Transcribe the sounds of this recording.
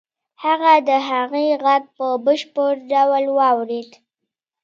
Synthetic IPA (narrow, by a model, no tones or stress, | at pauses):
haɣad̪əɦaɣiɣaɡ̚pəbəʃpəɾɖawlwɑwɾed̪